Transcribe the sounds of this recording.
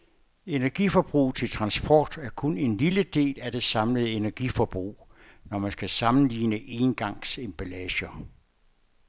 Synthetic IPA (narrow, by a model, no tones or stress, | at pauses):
e̝næɐɡ̥ifɒb̥ʁṵːt͡sʰe̝lt͡sʰʁɑ̈nsb̥ʰɒ̰ːd̥æɐkʰɔ̽ne̝nliləd̥e̝̰ːlæd̥e̝sɑ̈mləð̩ˠe̝næɐɡ̥ifɒb̥ʁṵːnɒmænsɡ̥æsɑ̈mn̩lḭːnəʔe̝nɡ̥ɑ̈ŋ̰semb̥ælɛɕɐ